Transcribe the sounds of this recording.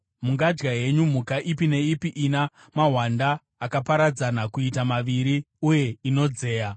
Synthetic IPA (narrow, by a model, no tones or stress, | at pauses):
muŋɡad͡ʒɡaɦe̞ɲum̤ukaʔipine̞ipiʔina | maɦwandaː | kapaɾad͡zanakuitamaʋiɾi | uje̞ino̞d͡ze̞ːja